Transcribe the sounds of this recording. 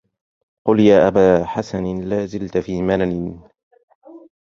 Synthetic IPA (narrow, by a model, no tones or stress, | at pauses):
qʊljaːʔabaːħasanlaːzɪlt̪fiːmananɪ